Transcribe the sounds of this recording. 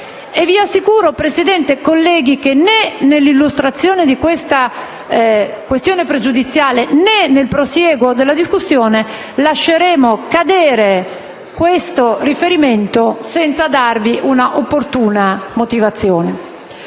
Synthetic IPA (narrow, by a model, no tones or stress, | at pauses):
evːiasːikuːɾopɾesid̪ɛnt̪ekolːɛːɡ̟ik̟enenelːilːust̪ɾat̪sːjoːned̪ikwest̪a | kwest̪joːnepɾed͡ʒud̪it̪sːjaːlenenːelpɾosjɛːɡod̪elːad̪iskusːjoːne | laʃːeɾɛːmokad̪ɛːɾe | kwest̪orifeɾiment̪osɛnt̪sad̪arviʔunaʔopːort̪uːnamot̪ivat̪sːjoːne